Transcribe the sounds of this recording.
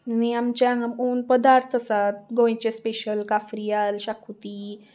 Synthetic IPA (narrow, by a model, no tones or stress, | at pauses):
niamt͡ɕaŋamuːnpəd̪aɾt̪ʰəsat̪̚ɡõĩt͡ɕespeʃəlkafɾijaːlʃakʰut̪i